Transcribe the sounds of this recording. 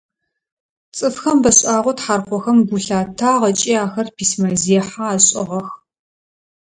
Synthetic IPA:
t͡sʼɨfxɐmbɐɕʼaːʁʷɔtħaːrqʷɔxɐmɡuɬaːtʰaːʁɐt͡ʃʼiːaːxɐrpʰiːsmɐziħaaːɕʼɪʁɐx

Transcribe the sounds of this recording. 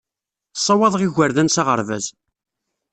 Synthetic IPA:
sˤːɑwɑðˤʁiʝəɾðænsɑʁə̰ɾvæ̰z

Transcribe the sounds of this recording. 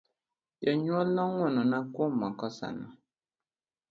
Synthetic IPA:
jɛɲwɔlnɔŋɔnɔnakomakɔsa̰na̰

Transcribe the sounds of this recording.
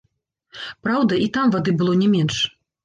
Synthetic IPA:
pɾawd̪ɐʔit̪amvad̪ɨbɨlˠɔnʲɛmʲɛnʂ

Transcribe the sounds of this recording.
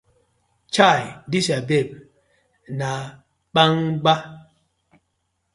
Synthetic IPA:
t͡ʃajdiʃabep̚ | na | ɓaŋɡ͡ba

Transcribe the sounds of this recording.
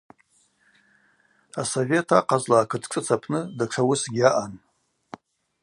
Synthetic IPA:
asove̞tʰa̰qʰʼazlaːkʰɨtʰt͡sʷʼɨt͡sʰapʰnɨdaʈ͡ʂʰawʊsɡʲaʔan

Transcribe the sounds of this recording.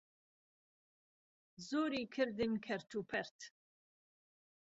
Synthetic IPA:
zoːɾiːkʰɨɾd̪ɨnkʰɛɾt͡ʃʰupʰɛɾt̪ʰ

